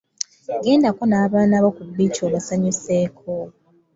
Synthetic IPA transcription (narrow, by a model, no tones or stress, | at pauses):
ɡe̞ːndakonaːβaːnaβokubːicoːβasaɲuseːkʰo